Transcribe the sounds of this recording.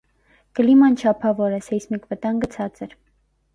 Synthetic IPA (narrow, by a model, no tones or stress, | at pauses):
kəlimɑnt͡ʃʰɑpʰɑvɔɾɛsɛjsmikvət̪ɑŋɡət͡sʰɑt͡sɛɾ